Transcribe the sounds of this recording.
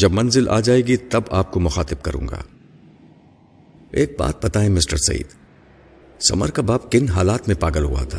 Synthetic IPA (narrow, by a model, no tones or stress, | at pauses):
d͡ʒɐbmɐnzɪlʔa̰ːd͡ʒaːeːɡit̪ɐbaːp̚komʊxaːt̪ɪb̚kɐɾṵ̃ːŋɡa̰ː | eːk̚ba̰ːt̪̚bɐt̪aɦɛ̃mɪsʈəɾsɐ̰ɦḭːd̪ | sɐ̰mə̰ɾkabaːb̚kɪnɦaːlaːt̪mẽpaːɡəlɦṵa̰t̪ʰaː